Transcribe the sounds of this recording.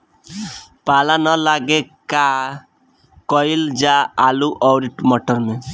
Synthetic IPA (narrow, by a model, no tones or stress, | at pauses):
palanəlaɡeka | kɔild͡ʒaaluʔɔwɾiʈmɔʈəɾme